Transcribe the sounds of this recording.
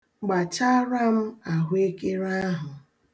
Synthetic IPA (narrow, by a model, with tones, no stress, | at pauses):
ɡ͡ba˨t͡ʃa˦ɾa˦m̩˦a˨ɦʷe˦ke˦ɾa˦ɦʊ˨